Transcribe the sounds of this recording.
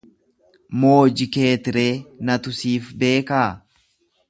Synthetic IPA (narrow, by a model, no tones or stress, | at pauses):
moːd͡ʒɪke̞ːt̪ɪɾe̞ːnɐt̪ʊsiːfbe̞ːkaː